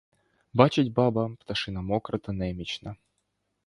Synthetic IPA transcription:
bat͡ʃɪtʲbɑbɐpt̪ɐʃɨnɐmɔkɾɐt̪ɐnɛmʲit͡ɕnɐ

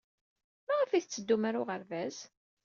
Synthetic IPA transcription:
mæʁəfiθt͡sːəd̪ːumaɾʊʁəɾvæz

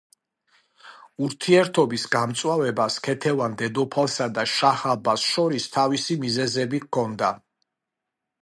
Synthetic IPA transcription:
uɾt̪ʰiɛɾt̪ʰɔbisɡamt̪sʼwavɛbaskʰɛt̪ʰɛvand̪ɛd̪ɔpʰalˠsad̪aʃahabasʃɔɾist̪ʰavisimizɛzɛbikʰɔnd̪a

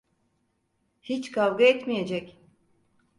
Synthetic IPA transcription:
hit͡ʃkʰavɡaɛt̪mijed͡ʒɛc

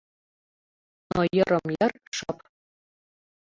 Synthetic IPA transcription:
nojɤ̆ɾɤ̆mjɑrʂɑp

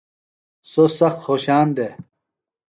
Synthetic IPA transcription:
sosɐxt̪xoːɕaːnd̪e

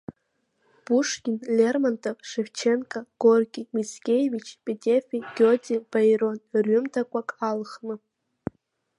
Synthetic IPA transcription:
b̥uʂkʲɪnlʲermantʰʼoʂevt͡ʃʰe̞nkʼaɡ̥orɡʲʼimit͡skʲʼejvit͡ʃʰpʼetʲʼefʲiɡʲotʼib̥ajɾo̞nrɥʏmtʰakʷʼakʼalχnɨ

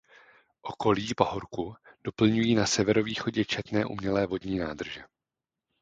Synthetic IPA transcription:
ʔo̞ko̞liːpo̞ɦoɾkud̥o̞pl̩ɲujiːnasɛvɛɾo̞viːxo̞ɟɛt͡ʃɛt̪nɛːʔṵmɲɛlɛːvo̞dɲiːnaːdr̩ʒɛ

